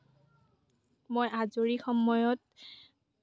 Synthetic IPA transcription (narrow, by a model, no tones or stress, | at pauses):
mojʔazoɹixɔmɔjɔt̚